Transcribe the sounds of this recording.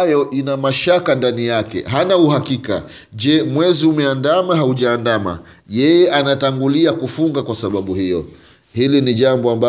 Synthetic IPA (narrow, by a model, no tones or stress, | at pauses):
jɔʔinamaʃakandanijakɛ̰ɦanauhakika̰ʄɛmwɛziumɛandamaɦauʄaːndama̰ | jɛjɛʔanataŋɡuliakufuŋɡakwasaɓaɓuhijɔ̰ | hiliniʄambɔamba